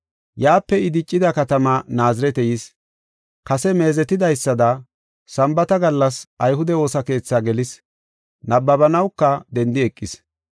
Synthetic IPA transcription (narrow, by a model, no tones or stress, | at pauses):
jaːpːɛɪd̪ɪt͡ʃʼːɪd̪ɐkɐt̪ɐmɐnaːzɪɾɛt̪ɛjis | kɐsɛme̞ːzɛt̪ɪd̪ɐjsːɐd̪ɐ | sɐmbɐt̪ɐɡɐlːɐsʔɐjɦʊd̪ɛo̞ːsɐke̞ːt͡sːaɡɛlɪs | nɐbːɐbɐnɐwkːɐd̪ɛnd̪ɪɛkʼːɪs